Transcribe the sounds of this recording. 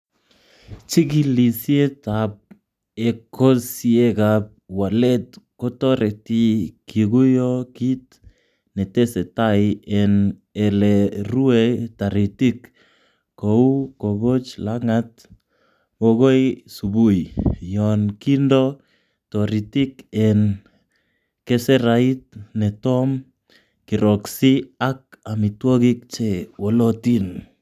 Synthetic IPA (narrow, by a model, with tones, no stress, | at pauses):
t͡ʃi˦ki˦li˨sje˦ta˨p̚ | e˨ko˦sje˦ka˨p̚wa˨lɛ˦t̚ko˦tɔ˦ɾɛ˨ti˦kʰi˨ɡu˦jɔ˦ki˦t̚ | nɛ˨te˦sɛ˨ta˦ɪɛ˨n | ɛ˨lɛ˨ru˦e˦ta˨ɾi˨ti˦k | ko˨u˦ko˨ɡo˦t͡ʃlaŋat̪̚ | woɣo˦jsubu˦jjɔnkindɔ | tɔɾi˨tɪ˦kɛn | kɛsɛɾai˦t̚nɛtɔm | ki˨ɾɔksiak̚ami˨twɔ˦kik̚t͡ʃewɔ˨lɔ˦tin